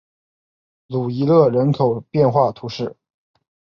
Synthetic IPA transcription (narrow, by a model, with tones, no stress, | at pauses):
lu˨˩i˧˥lɤ˥˩ɻə˧˥nkʰo˨˩ʊpjɛ˥˧nxwa˥˩t̪ʰu˧˥ʂɻ̩˥˩